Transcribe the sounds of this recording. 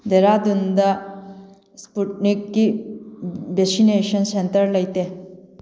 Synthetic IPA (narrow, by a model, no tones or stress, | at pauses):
d̪eɾad̪und̪a | spuʈnikːi | besineɕənsent̪əɾləjt̪e